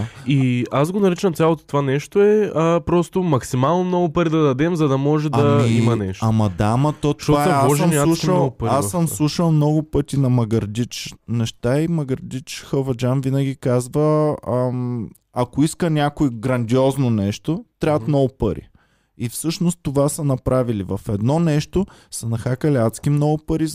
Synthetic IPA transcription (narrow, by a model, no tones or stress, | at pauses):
iazɡonɐɾit͡ʃɐmt̪sʲalˠot̪o̥t̪ovanɛʃt̪oɛəpɾɔst̪omɐksimalˠnomnɔɡʊpɐɾid̪ɐd̪ɐd̪ɛmzɐd̪ɐmɔʒɛaɐmiimɐnɛʃɐmɐd̪aːmɐt̪ot̪ɔvaɛaɔʒmalˠuʃɐlˠpəɾasəmslˠuʃəlˠmnɔɡʊpɤt̪ʲinɐmɐɡɐɾd̪it͡ʃnɛʃt̪aimɐɡəɾd̪it͡ʃxəvɐd͡ʒanvinəɡʲikazvə | ɐkoiskənʲakoiɡɾɐnd̪ʲiɔznonɛʃt̪ot̪ɾʲavət̪mnɔɡʊpəɾḭ | ifsɤʃnost̪ːovasɐnɐpɾʔavilivɐfɛd̪nɔnɛʃt̪osɐnɐxakəliat̪skimnɔɡʊpəɾi